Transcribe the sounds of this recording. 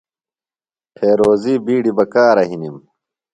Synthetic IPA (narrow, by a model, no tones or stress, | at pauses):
pʰeːɾoːziːbiːɽibɐkaːɾɐɦinim